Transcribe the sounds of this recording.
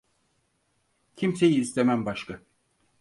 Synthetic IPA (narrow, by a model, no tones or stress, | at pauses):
cʰimse̞jiːst̪ʰemæmbaʃka